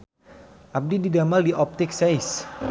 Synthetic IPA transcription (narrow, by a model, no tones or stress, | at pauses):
ʔap̚dididamaldiʔɔp̚t̪ɪk̚sajs